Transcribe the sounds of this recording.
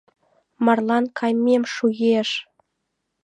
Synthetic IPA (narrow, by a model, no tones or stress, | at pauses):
mɑrlˠɑnkʰɑjmʲemʃuɣeʃ